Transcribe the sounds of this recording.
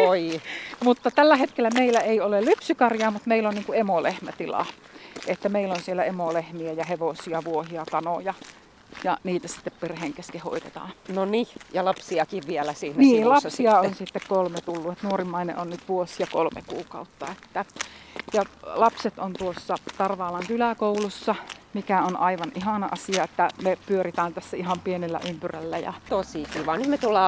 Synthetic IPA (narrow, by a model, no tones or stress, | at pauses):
oimut̪ːɑt̪ælːæhet̪̚kelːæmeilæeiolellypsykɑrjɑːmut̪meilːonniːŋkuemolehmæt̪ilɑ̰ | ʔet̪ːæmeilːonsielːæemolehmiæjɑheʋosiɑʋuohiɑkɑnojɑ | jɑniːt̪æsi̥t̪ːepperheːŋkeskeho̰it̪et̪ɑ̰ːnonijɑlɑpsiɑkiʋʋiɛlæsiːnnniːlɑsiɑonsit̪ːekkolmet̪ulːuet̪nuorimːɑinḛʔonnyt̪ʋuosjɑkolmḛkṵːkɑ̰ut̪ːɑet̪ːæjɑlɑpset̪ont̪uosːɑt̪ɑrʋɑːlɑŋkylæˑkoulusːɑmikæonʔɑiʋɑnʔiɦɑnɑʔɑsiɑet̪ːæmepyøɾit̪æːnt̪æsːæiɦɑmpienelːæ̰ʔympyrælːæjɑ̰t̪osikiːʋɑːnyt̪met̪ulːɑː